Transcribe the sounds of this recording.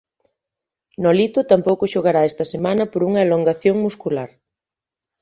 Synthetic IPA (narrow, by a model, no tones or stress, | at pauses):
nɔlit̪ʊt̪ampowkʊʃoɣ̞aɾaɛst̪ɐsemanɐpoɾuŋɐeloŋɡaθjoŋmuskulaɾ